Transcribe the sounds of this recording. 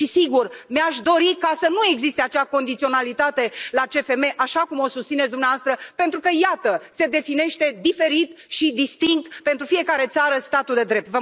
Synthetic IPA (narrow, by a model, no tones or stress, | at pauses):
ʃisiɡurmeaʃd̪o̞ɾikasənue̞ɡzist̪e̞at͡ʃeako̞nd̪it̪sio̞nalit̪at̪e̞lat͡ʃe̞fe̞me̞ʔaʃakumo̞sust̪sinetsd̪umneavast̪ɾəpe̞nt̪ɾukəjat̪əse̞d̪e̞fine̞ʃt̪e̞d̪ife̞ɾit̪ʃid̪ist̪iŋk̚t̪pe̞nt̪ɾufije̞kaɾe̞t̪saɾəst̪at̪uld̪e̞d̪ɾe̞p̚t̪və